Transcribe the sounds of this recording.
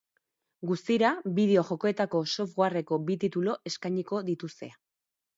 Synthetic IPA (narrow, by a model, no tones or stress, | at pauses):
ɡust̪iɾabið̞e̞o̞ʝo̞ko̞e̞t̪ako̞so̞fɣware̞ko̞bit̪it̪ulo̞ʔe̞skajɲiko̞ðit̪ust̪e̞̰a